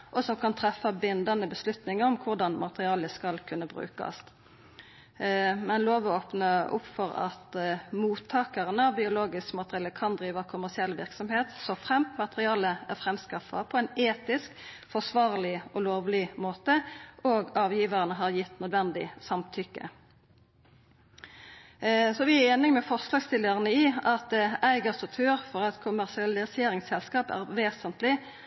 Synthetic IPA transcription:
ʔɔsɔmkʰɑnt̪ʰɾɛfːɑbɪnd̪ɑnəbəslʉt̪nɪŋəɾɔmkʰʊʁd̪ɑnmɑt̪əʁɪɑːləskɑlkʰʉnːəbʁʉ̰ːkɑ̰s | mɛnloːʋɔoːpnəʔʊ̰pfɔɾɑ̰t̪muːt̪ʰːɑːkəʁənəɑʋbɪʊloːɡɪskmɑt̪əʁɪɑːləkʰɑnd̪ɾiːʋəkʰʊmæʁsɪɛlʋɪ̰ɾksɔmheːt̪sɔfʁɛmt̪mɑt̪əʁɪɑːləæɾfɾɛmskɑfːɑ̰pʰɔɛɪneːt̪ɪskfɔʁʂʋɑːʁlɪɔloːʋlɪmoːt̪əoːɡɑːʋjiːʋəʁənəɦɑʁjɪt̪ːnœd̪ʋɛnd̪ɪ̰sɑmt̪ʰʏkːə̰ | sɔʋɪæeːnɪŋmɛfɔʁslɑːɡst̪ɪlːəʁənəɪɑt̪̚æɪɡɑst̪ɔt̪ʰyːʁfɔʁɛt̪kʰʊmæʁsɪɑlɪseːɾɪŋsɛlskɑːpæ̰ʁʋeːsənt̪lɪ

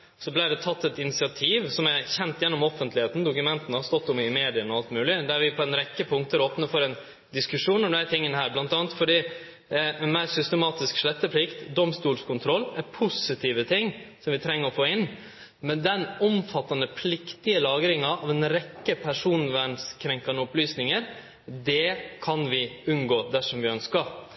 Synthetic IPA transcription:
sɔblæɪɖɛt̪ʰɑt̪ːɛt̪ɪnɪsɪɑt̪ʰiːʋsɔmæçɛnt̪jɛnːɔmɔfənt̪lɪheːt̪n̩d̪ʊkʉmɛnt̪ənəhɑst̪ɔt̪ːʊmɪmeːd̪ɪənɔɑlt̪mʉːlɪd̪æɾʋɪpʰɔɛnɾɛkːəpʰʊŋkt̪əɾoːpnəɾfɔɾɛn | d̪ɪskʉʂuːnɔmæɾt̪ʰɪŋːənəhæːɾblɑnt̪ɑːnt̪fɔɖiː | ɛnmæːɾsʏst̪əmɑːt̪ɪskʂɭɛt̪ːəpʰlɪkt̪d̪ɔmst̪uːlskʰʊnt̪ʰɾɔlːɛɾpʰʊsɪt̪ʰiːʋət̪ʰɪŋsɔmʋɪt̪ʰɾɛŋːəɾɔfoːɪnː | mɛnd̪ɛnʊmfɑt̪ːɑnəpʰlɪkt̪ɪəlɑːɡɾɪŋɑʔɑʋɛnɾɛkːəpʰæʂuːnʋænskʰɾɛŋkɑnəʊplyːsnɪŋəɾ | d̪ɛkʰɑnʋɪʉnɡoːd̪æʂɔmʋɪœnskɑ

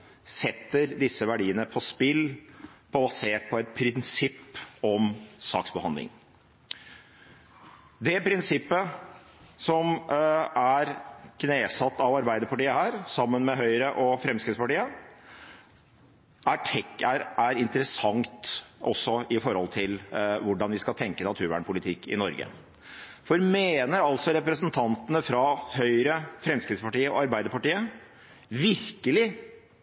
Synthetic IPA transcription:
sɛt̪ːəɾd̪ɪsːəʋæɖiːənəpʰɔspɪlpʰɔbɑseːʈ̚pʰɔɛt̪̚pʰɾɪnsɪpːɔmsɑ̰ːksbəhɑnd̪lɪ̰ŋ | d̪ɛpʰɾɪnsɪpːə | sɔm | æɾkʰneːsɑt̪ːɑʋɑɾbæɪd̪əɾpɑʈiːəhæːɾsɑmːənmɛɦœʏɾəʔɔfɾɛmskɾɪt̪spɑʈiːə | ʔæʈʰɛkːæɾæɾɪnt̪əɾəsɑŋt̪ʔɔ̰sːɔɪfɔɾhɔlt̪ʰɪlʋʊɖɑnʋɪskɑt̪ʰɛŋkənɑt̪ʰʉːɾʋæ̰ːɳpʊlɪt̪ʰɪkːɪ̰nɔɾɡə̰ | fɔɾmeːnəɾɑlt̪sɔɾɛpɾəsənt̪ʰɑnt̪ənəfɾɑhœʏɾəfɾɛmskɾɪt̪spɑʈiːəɔ̰ɑɾbæɪd̪əɾpɑʈiːə | ʋɪɾkəlɪ

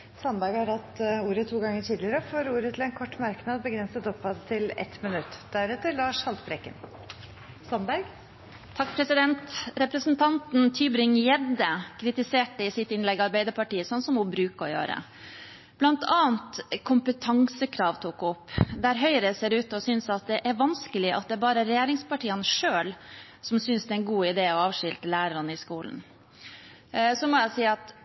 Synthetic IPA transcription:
sœnd̪ɑːɡhɑɾhɑt̪uːɾət̪ʰuːɡɑŋːəʈʰiːd̪lɪəɾəfoːɾuːɾət̪ʰɪlɛnkʰɔʈːmɑɾknɑd̪bəɡɾɛnsət̪ɔphɑd̪t̪ʰɪlɛ̰t̪mɪnʉt̪ːd̪æɾɛt̪ːəɾlɑːʂhɑlt̪bɾɛkːə̰n | sɔnd̪ɑːɡ | t̪ʰɑkːpʰɾɛsɪd̪ɛnt̪ɾɛpɾəsnt̪ʰɑnt̪nt̪ʰyːbɾɪŋjɛd̪əkʰɾɪt̪ɪseːʈəɪsɪt̪ɪnlɛɡɑɾbæɪd̪əɾpɑʈiːəsɔnsɔmubɾʉːkəɔ̰jø̰ːɾə̰ | b̥lɑnt̪ʰɑːənt̪kʰʊmpət̪ʰɑŋsəkʰɾɑːʋt̪ʰuːkɔpːd̪æɾɦœʏɾəseːɾʉːt̪ɔsʏnsɑt̪̚d̪ɛʔæɾʋɑnskəlɪʔɑ̰t̪̚d̪ɛæɾbɑːɾəɾɛjeːɾɪŋspɑʈʰiːənʂøːl | sɔmsʏnsd̪ɛːæɪnɡuːɪd̪eːɔɑːʋʂɪlt̪əlæːɾəɾɑnəɪskuːln̩ | sɔmɔjæsiːɑt̪

